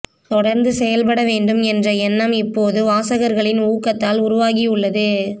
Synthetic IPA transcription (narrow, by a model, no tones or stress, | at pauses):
t̪ɔɽɐɾnd̪ɯsɛjɐlpɐɽɐʋeːɳɖɯmɛndrɐɛnːɐmɪpːoːðɯʋaːsɐɣɐɾɣɐɭɪnuːkːɐt̪ːaːlʊɾʊʋaːɣiʊɭːɐðɯ